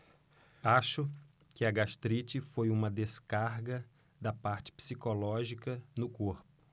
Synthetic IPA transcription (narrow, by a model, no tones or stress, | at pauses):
aʃʊ | kɪɐɡaʃt̪ɾit͡ʃɪfojũmɐd̪eskaɾɡɐ | d̪ɐpaɾt͡ʃɪ̥psikolɔʒikɐnʊkoɾpʊ̥